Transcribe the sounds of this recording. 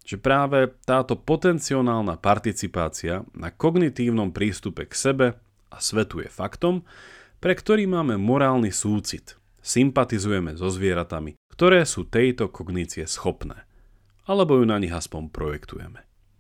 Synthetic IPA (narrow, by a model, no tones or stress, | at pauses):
ʒ̥ɛpɾaːʋɛt̪aːt̪ɔpɔt̪ɛnt͡siɔnaːlˠnapaɾt̪it͡sipaːt͡sianʔa̰kɔɡnit̪iːʊnɔmpɾiːst̪upɛksɛbɛ | ʔasʋɛt̪ujɛ̰fakt̪ɔm | pɾɛkt̪ɔɾiːmaːmɛmɔɾaːlnisuːt͡sit̪ | simpat̪izujɛmɛzɔzʋɪɛɾat̪amikt̪ɔɾɛːsuːt̪ɛjt̪ɔkʰɔɡnit͡siɛsxɔpnɛ̰ː | alɛbɔjunaɲiɣaspɔmpɾɔjɛkt̪ṵjɛ̰mɛ